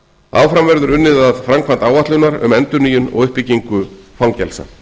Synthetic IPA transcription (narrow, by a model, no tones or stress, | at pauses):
a̰wfɾamvɛɾðʏɾʏnːɪðaðfɾamkʰvan̥t̪awvat̪lʏnaɾʏ̰mɛnt̪ʏniːjʏnɔ̰ɣʏhpɪciŋkʏfawŋcɛlsa̰